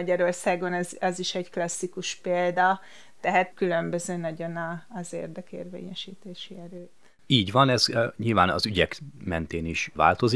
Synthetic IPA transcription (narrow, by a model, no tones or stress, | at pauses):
ɒɟɒɾo̞rsaːɡonɛzɛziʃɛɟklɒsːikuʃpeːld̪ɒ | t̪ɛɦæt̪kylø̞mbø̞zøːnɒɟo̞nɒːzḛːrd̪ɛkḛːrvḛːɲɛʃiːt̪eːʃiɛɾøːt̪ | iːɟʋɒnɛzɲilvaːnɒ̰zyɟɛkmɛnt̪eːniʃva̰ːlt̪o̞zi